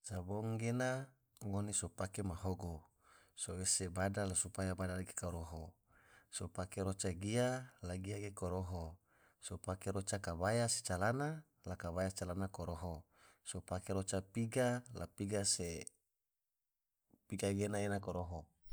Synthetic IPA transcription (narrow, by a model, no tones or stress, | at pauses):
t͡ʃaboŋɡena | ŋonisopakemaɦoɡo | sowesebadalasupajabadalaɡekoɾoɦo | sopakeɾot͡ʃaɡialaɡiaɡekoɾoɦo | sopakeɾot͡ʃakabajase̥t͡ʃalana | lakaβajat͡ʃalanakoɾoɦo | sopakeɾot͡ʃapiɡala̰piɡase | piɡaɡenaenakoɾoɦo